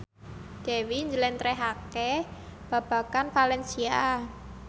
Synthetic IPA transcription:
d̪̥e̤wiɲd͡ʒəlɛnt̪ɾɛɦake | b̥a̤b̥ä̤kanfalɛnsia

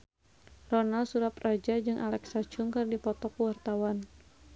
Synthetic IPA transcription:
rɔnalsuɾaprad͡ʒad͡ʒɨŋʔalɛksat͡ʃuŋkɨrdipɔt̪ɔkuwart̪awan

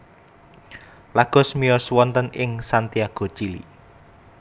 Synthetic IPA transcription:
laɡ̥ɔ̤smijɔswɔnt̪ənɪŋsant̪iaɡ̥o̤t͡ʃilḭ

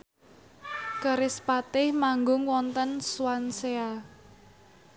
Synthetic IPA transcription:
kəɾɪspat̪ɪhmaŋɡʊŋwɔnt̪ənswansea

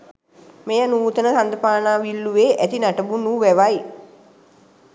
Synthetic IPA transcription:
mejanuːt̪ənət̪and̪əpaːnaːʋilːuʋeːʔæt̪inaʈəbunuʋæʋaj

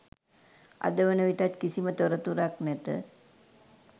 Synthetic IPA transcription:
a̰d̪əʋənəʋiʈat̪kisimət̪oɾət̪uɾaknɛt̪ə̰

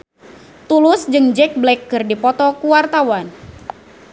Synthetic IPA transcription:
t̪ulʊsd͡ʒɨŋd͡ʒɛk̚blɛkːɨrdipɔt̪ɔkuwart̪awan

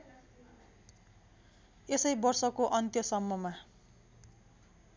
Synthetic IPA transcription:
esʌjbʌrsʌkoʔʌnt̪jʌsʌmːʌma

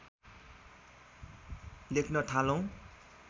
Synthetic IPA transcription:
lekʰnʌʈʰalʌw̃

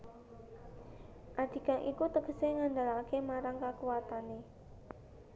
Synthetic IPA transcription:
ʔad̪̥i̤kaʔikut̪əɡ̥əseŋandalakemaɾaŋkakuat̪ane

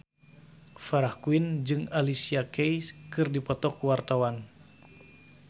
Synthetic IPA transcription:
faɾahkuind͡ʒɨŋalisiakɛjskɨrdipɔt̪ɔkuwart̪awan

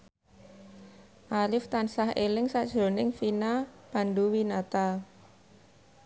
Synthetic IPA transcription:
ʔalɪft̪ansaɦelɪŋsaʔd̥ʒ̥ɾo̤nɪŋfinapanduwinat̪a

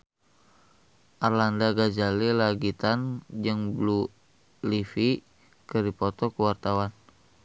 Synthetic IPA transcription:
ʔarlandaɡad͡ʒalilaɡit̪and͡ʒəŋblu | lifi | kəɾipɔt̪ɔkəwart̪awan

